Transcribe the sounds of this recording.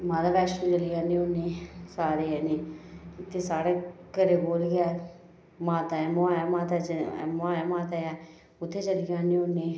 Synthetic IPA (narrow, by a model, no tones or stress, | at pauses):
mãːd̪aːʋɛːsʈoːt͡ʃəlijãːnẽːoneːsaːɾeːɛːneːt̪ʰːeːsaːɽeːkəɾeːɡoːlɡɛː | maːt̪aɛːmːaːmaːt̪a̰maːjaːmaːt̪aːɛː | ʊt̪ʰːeːt͡ʃəlijaːnẽːoneː